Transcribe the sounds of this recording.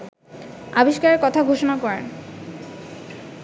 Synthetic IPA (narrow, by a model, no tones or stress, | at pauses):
a̰biʃkaɾeɾkɔt̪ʰaɡʱoʃonakɔɾen